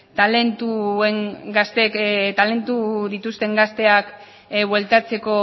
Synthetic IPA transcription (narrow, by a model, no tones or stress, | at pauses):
t̪ale̞nt̪ueŋɡast̪et̪ale̞nt̪uðit̪ust̪e̞ŋɡast̪e̞ak | βwe̞lt̪at͡se̞ko̞